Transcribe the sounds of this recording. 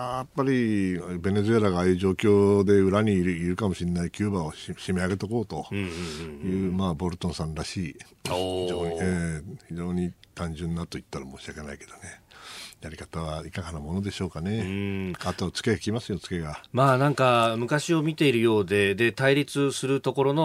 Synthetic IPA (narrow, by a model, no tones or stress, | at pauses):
aːjapːaɾʲibe̞ne̞zɨe̞ɾaɡaːjɯ̟ːʑo̞ːkʲo̞ːd̪e̞ɯ̟ɾaɲ̟iɾɯiɾɯ̟kamo̞ɕinːaikʲɨːbaoɕime̞aɡe̞t̪o̞ko̞ːt̪o | jɯ̟ːmaːbo̞ɾɯ̟t̪õ̞ɰ̃sãnɾaɕiːhioːɲieːçiʑo̞ːɲ̟it̪ãɲ̟d͡ʑɨ̃nːat̪o̞it̪ːaɾamo̞ːɕiake̞naike̞d̪o̞nejaɾʲikat̪aβaikaɡanamo̞no̞d̪e̞ɕo̞ːkane̞at̪o̞at͡sɨ̥ke̞ɡakʲimasɨjo̞t͡sɨ̥ke̞ɡamaːnãŋkamɯ̟kaɕio̞mʲit̪e̞iɾɯ̟jo̞ːd̪e̞d̪e̞t̪aiɾʲit͡sɨsɨɾɯ̟t̪o̞ko̞ɾo̞no̞